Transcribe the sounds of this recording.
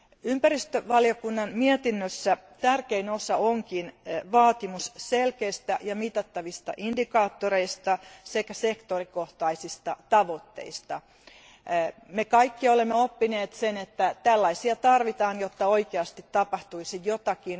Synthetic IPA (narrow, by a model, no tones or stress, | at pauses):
ympærist̪øʋɑljokunːɑnmiɛt̪inːøsːæt̪ærkeinosɑoŋkinʋɑːt̪imusselkeist̪æjɑmit̪ɑt̪ːɑʋist̪ɑ̰ʔindikɑːt̪ːoɾeist̪ɑsekæsekt̪orikoht̪ɑisist̪ɑt̪ɑʋot̪ːḛist̪ɑ | mekɑikːiolemːeopːineːt̪senet̪ːæt̪ælːɑisiɑt̪ɑrʋit̪ɑːnjot̪ːɑoikeɑst̪it̪ːɑpɑht̪uisijjot̪ɑkin